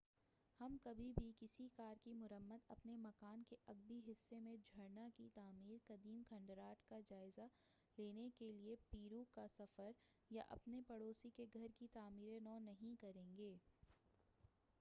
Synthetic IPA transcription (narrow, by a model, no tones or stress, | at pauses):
hɐmkɐbʱibʱikɪsikaːɾkimʊɾəmːəd̪ɐpnemɐkaːnkeʔɐɡbiɦɪsːemẽd͡ʒʱɐɽnakit̪aːmiːɾkɐd̪iːmkʰɐ̃ɳɖɾaːʈkad͡ʒaːɪza | leːnekeliepiːɾuːkasɐfəɾ | ja̰ʔɐ̰pnepɐɽoːsikeɡʱɐɾkit̪aːmiːɾenɔːnɐɦĩkɐɾẽːŋɡeː